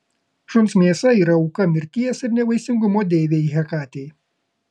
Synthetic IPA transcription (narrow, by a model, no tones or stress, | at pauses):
ʃʊnsmʲiɛsɐiːɾɐɔʊkɐmʲɪɾʲt̪ʲijɛsɪɾnʲɛʋɐɪsʲɪŋɡʊmoːd̪ʲeːʋʲeːiɦʲɛkɑːt̪ʲej